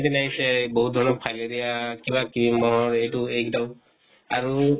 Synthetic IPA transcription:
dinaɦisɛboɦut̚d̪ʱɔɹnɔpʰajledijakibakibimɔɦɔɹejtuejkdaʊ | aɹu

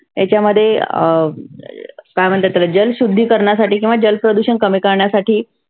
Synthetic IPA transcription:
et͡ɕjaməd̪ʱːje | kajməɳt̪ət̪ələd͡ʑəlɕud̪ʱːiːkəɾɳjasaʈiːkĩw̃ʋad͡ʑəlpɾəd̪uɕənkəmikəɾɳjasaʈʰiː

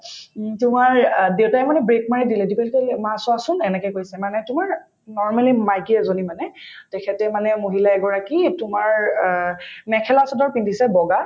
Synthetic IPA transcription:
tʊmaɹdewtaɛmanɛbɹekmaɹidilɛdikɛlkɛlmasɔasʊnɛnɛkɛkojsɛmanɛtʊmaɹ | nɔɹmalimajkiɛzonimanɛ | tɛkʰɛtɛmanɛmoɦilaɛɡɔɹakitʊmaɹ | mɛkʰɛlasɔdɔɹpindʱisɛbɔɡa

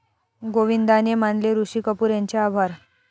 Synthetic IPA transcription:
ɡoʋind̪anemanleɾuɕiːkəpuːɾjaɲt͡ɕaːbʱaɾ

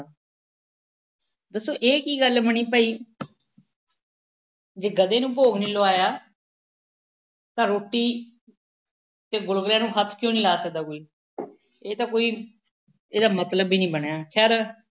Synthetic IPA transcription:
d̪əsːoːʔeːkiːɡəlbəɳiːpəːiː | d͡ʒeːɡəd̪eːnũːp̬oːɡnĩːloːaːjaː | t̪ãːɾoːʈːiː | t̪eːɡʊlɡljãːnũːkʰət̪ʰːkjõːniːlaːsək̚d̪aːkoːiː | eːt̪ãːkoːiː | eːd̪aːmət̪ləbiːnĩːbəɳejaːkʰɛːɾ

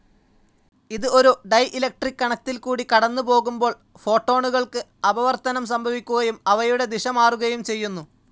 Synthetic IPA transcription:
iðɨo̞ɾuɖɐjʔilɐk̚ʈrikːɐɳɐk̚t̪ːilkuːɽikɐɽɐnːɨpo̞ːɣumbo̞ːɭ | fo̞ːʈːo̞ːɳuɣɐɭkɨ | ɐbɐʋɐrt̪ɐnɐms̬ɐmbʱɐʋikʲːuɣɐjumɐʋɐjuɽe̞d̪iʂɐmaːruɣɐjumt͡ɕe̞jːunːu

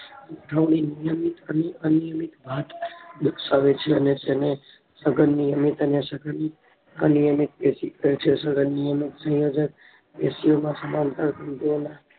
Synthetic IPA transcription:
ɡaʋninijəmit̪əneʔənijəmit̪bʱat̪d̪uksaʋet͡ʃʰeənet̪ene | səɡənːijəmit̪ənesəɡəni | ə̰nijəmit̪̚esikəɾet͡ʃʰesəɡʱənːijəmit̪sə̃jod͡ʒək̚ | esijomãsəmamt̪aɾkənt̪uona

